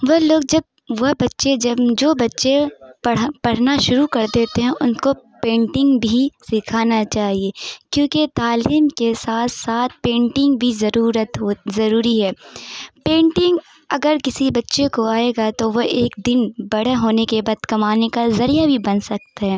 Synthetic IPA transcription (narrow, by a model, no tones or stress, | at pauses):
ʋoloːɡ̚d͡ʒɐb̚ | ʋɐbɐtːʃed͡ʒɐbd͡ʒoːbɐtːʃepɐɽpɐɽ̤naʃʊɾukɐɾd̪eːt̪eɦɛ̃ʔʊnkopẽːɳʈɪ̃ŋɡbʱisɪkʰaːnat͡ʃaːɦieːkjõːket̪aːliːmkesaːt̪ʰsaːt̪ʰpẽːɳʈɪ̃ŋɡbʱizɐɾuːɾət̪ɦoːzɐɾuːɾiɦɛːpẽːɳʈɪ̃ŋɡ | ɐɡəɾkɪsibɐtːʃekoaːeɡat̪oʋoeːk̚d̪ɪnbɐɽaɦoːnekebaːd̪kɐmaːnekazɐɾijabʱibɐnsɐk̚t̪aɦɛ̃ː